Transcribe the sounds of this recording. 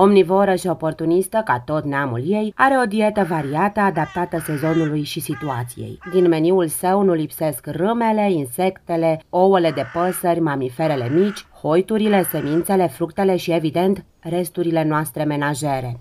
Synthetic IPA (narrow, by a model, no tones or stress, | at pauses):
o̞mnivo̞ɾəʃio̞po̞rt̪unist̪əka̰t̪o̞t̪neamṵlje̞jaɾe̞o̞d̪ie̞t̪əvaɾiat̪əad̪ap̚t̪at̪əse̞zo̞nulujʃisit̪uat̪sijḛjd̪inme̞niulsəwnulipse̞skrɨme̞le̞inse̞kt̪e̞le̞o̞wele̞d̪e̞pəsərʲmamife̞ɾe̞le̞mit͡ʃʲho̞jt̪uɾile̞se̞mint̪se̞le̞fɾukt̪e̞le̞ʃie̞vid̪e̞nt̪ | re̞st̪uɾile̞noast̪ɾe̞me̞naʒe̞ɾe̞